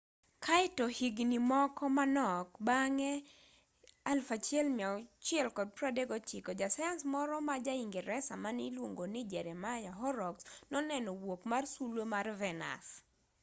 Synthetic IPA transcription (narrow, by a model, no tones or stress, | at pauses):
kʰaɪtɔhiɡnimɔkɔmanɔkbaŋɛ | alfat͡ʃjɛlmiat͡ʃjɛlkɔd̚pɾadeɡɔt͡ʃikɔd͡ʒasajansmɔɾɔmad͡ʒaiŋɡeɾɛsamanɪlwoŋɡonɪd͡ʒɛɾɛmajaɦɔɾɔksnɔnɛnɔwokmarsulomarvɛna̰s